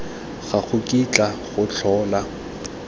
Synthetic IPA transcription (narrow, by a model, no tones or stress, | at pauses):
ɣaɣʰʊkʼit͡ɬʼaɣʊt͡ɬʰɔːla